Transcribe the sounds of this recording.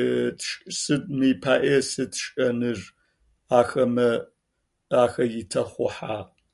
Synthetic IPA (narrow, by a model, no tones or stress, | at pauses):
tʂʼsɨdmɨjːpʰaːʔesɨtʃʼɐnɨr | aːxɐmɐ | aːxɐjɪtʰɐχʷʊħaː